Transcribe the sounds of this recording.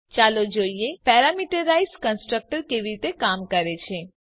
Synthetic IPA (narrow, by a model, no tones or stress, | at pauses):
t͡ʃalod͡ʒoiepɛɾamiʈəɾaizkə̃nsʈɾək̚ʈəɾkeʋiɾit̪ekamkəɾet͡ʃʰe